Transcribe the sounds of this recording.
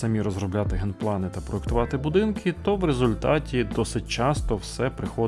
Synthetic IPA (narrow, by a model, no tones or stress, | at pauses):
sɐmʲiɾɔzɾɔblʲat̪ɪɦɛnplˠɑnɪt̪ɐpɾɔekt̪ʊʋɑt̪ɪbʊd̪ɪnkʰɪt̪ɔwɾezʊlʲt̪ɑtʲid̪ɔsɪt̚ʲt͡ʃɑst̪ɔwsɛpɾɪxɔ